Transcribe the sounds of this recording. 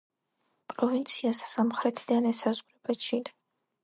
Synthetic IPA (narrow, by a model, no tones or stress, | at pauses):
pʼɾɔvint̪sʰiassamχɾɛt̪ʰid̪anɛsazʁɾɛbat͡ʃʰid̪a